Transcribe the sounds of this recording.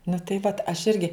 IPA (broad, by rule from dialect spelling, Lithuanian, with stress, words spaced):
nʊ tɐɪ ˈʋɐt ɐʃ ˈɪrʲɡʲɪ